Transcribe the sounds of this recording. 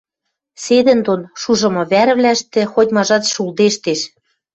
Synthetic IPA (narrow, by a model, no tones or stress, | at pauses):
sed̪ɘ̆nd̪onʃuʒɤ̆mɤ̆βæɾβlæʃt̪ĕxot̪ʲmɑʒɑt̪ʃuld̪eʃt̪eʃ